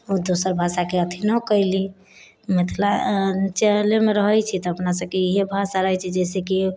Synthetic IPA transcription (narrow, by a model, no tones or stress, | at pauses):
od̪osəɾbʱasakeət̪ʰinəkəjli | met̪ʰlat͡ʃɛlemeɾəɦəjt͡ʃʰit̪ɔəpnasəb̚keiɦebʱasaɾəɦɛt͡ʃʰɛd͡ʒɛseki